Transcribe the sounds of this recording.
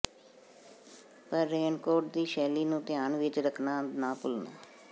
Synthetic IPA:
pəɾːeːɳkoːʈ̚d̪iːʃɛːliːnũːt̪ɪjaːɳʋɪt͡ʃɾəkʰnaːnaːpʊlna̰ː

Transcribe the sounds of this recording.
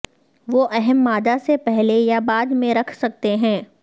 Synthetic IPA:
ʋoʔɛɦɛmːaːd̪asepɛɦlejabaːd̪mẽɾɐkʰsɐk̚t̪eɦɛ̃ː

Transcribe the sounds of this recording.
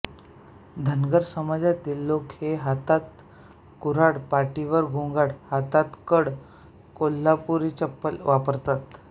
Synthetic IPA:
d̪ʱənɡəɾsəmad͡zat̪iːlːokheɦat̪at̪ | kuɾaɽpaʈiʋəɾɡʱũŋɡaɽhat̪at̪kəɽ | kol̤ːapuɾit͡ɕəpːəlʋapəɾt̪at̪

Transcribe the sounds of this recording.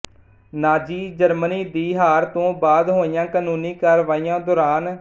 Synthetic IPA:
naːd͡ʒiːd͡ʒəɾməniːd̪iːɦaːɾt̪õːbaːd̪ɦoːɪjãːkaːnuːnĩːkəɾʋaːijãːd̪ɔːɾaːn

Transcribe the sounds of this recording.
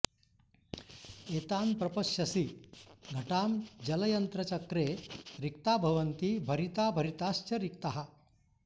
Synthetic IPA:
et̪ampɾɐpəʂjɐsiːɡʱɐʈamd͡ʑɐlɐjənt̪ɾɐt͡ɕɐkɾeɾik̚t̪abʱɐʋənt̪iːbʱɐɾit̪abʱəɾit̪ast͡ɕəɾik̚t̪aɦa

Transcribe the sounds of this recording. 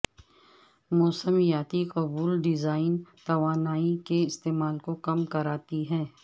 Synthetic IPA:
mɔːsəmijaːt̪iqɐbuːlɖɪzaːɪnt̪ɐʋaːnaːikeɪst̪eːmaːlkokɐmkɐɾaːt̪iɦɛ̃ː

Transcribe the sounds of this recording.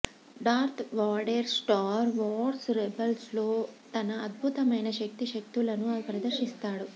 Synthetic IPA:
ɖaːɾt̪ʰʋaːɖeɾsʈaːɾʋɔːɖsɾebɐlslo̞ːt̪ɐnɐːd̪̚bʱut̪ɐmɐjnɐʃɐk̚t̪iʃɐk̚t̪ulɐnupɾɐd̪ɐɾʃist̪aːɽu

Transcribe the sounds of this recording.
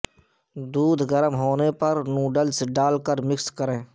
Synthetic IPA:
d̪uːd̪ɡəɾəmɦoːnepɐɾnũːɖəlsɖaːlkəɾmɪkskəɾẽː

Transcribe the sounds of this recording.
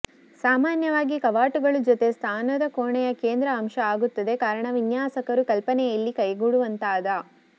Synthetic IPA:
saːmaːnjɐʋaːɡikɐʋaːʈuɡɐɭud͡ʒot̪e̞st̪ʰaːnɐd̪ɐkoːɳɛjɐkeːnd̪ɾɐːmʃɐaːɡut̪ːɐd̪e̞kaːɾɐɳɐʋinjaːsɐkɐɾukɐlpɐnɛjɐlːikɐjɡuɽuʋɐnt̪aːd̪ɐ

